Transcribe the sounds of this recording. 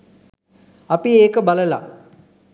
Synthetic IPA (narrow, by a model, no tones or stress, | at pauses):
ɐpieːkəbaləla̰